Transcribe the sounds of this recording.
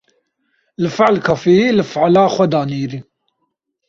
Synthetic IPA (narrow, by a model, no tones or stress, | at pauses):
lɨfɪʕlkʰɐfiilɨfəʕlaːxʷɛd̪aːniːɾi